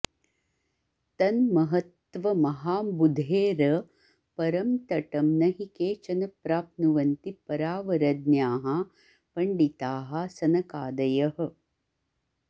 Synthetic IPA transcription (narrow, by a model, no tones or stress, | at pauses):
t̪ɐnmɐɦɐt̪ʋɐmɐɦaːbud̪ʱeːɾɐ | pɐɾɐmt̪ɐʈɐmnɐɦikeːt͡ʃɐnɐpɾaːp̚nuʋɐnt̪ipɐɾaːʋɐɾɐd̪̚njaːɦa | pɐɳɖit̪aːɦɐsɐnɐkaːd̪ɐjɐɦɐ̆